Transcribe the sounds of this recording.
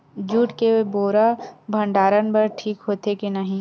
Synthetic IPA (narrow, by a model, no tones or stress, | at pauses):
d͡ʒuːʈkeboːɾabʱɐ̃ɳɖaːɾənbɐɾʈʰiːkɦoːt̪ekinɐɦĩ